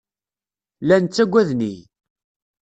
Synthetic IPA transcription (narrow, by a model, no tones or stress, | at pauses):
lænt͡sːæɡʷːæðnḭ